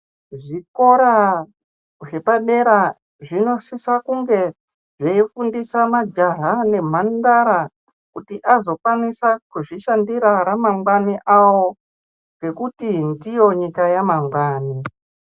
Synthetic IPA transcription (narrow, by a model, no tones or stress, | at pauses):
ʐiko̞ɾa | ʐe̞paɗe̞ɾa | ʐino̞sisakuŋɡe̞ | ʐeifundisamad͡ʒaɦane̞m̤andaɾa | kutiʔazo̞kwanisakuʐiʃandiɾaɾamaŋɡwaniʔawo | ɡe̞kutindijo̞ɲikajamamɡwaːni